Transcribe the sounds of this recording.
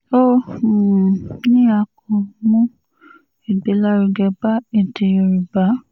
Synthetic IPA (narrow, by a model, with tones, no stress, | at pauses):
o˦˨ | nĩ˦a˧kɔ̃˧mũ˦ | i˨be˨˦la˦ɾi˧ɡɛ˧ba˦e˨te˧˨e˨ɾi˨ba˨˦